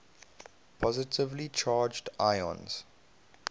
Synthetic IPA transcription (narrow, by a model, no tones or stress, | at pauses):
pʰɔzɪtʰɪvlit͡ʃʰaːd͡ʒdʔaɪɔ̰̃nz̥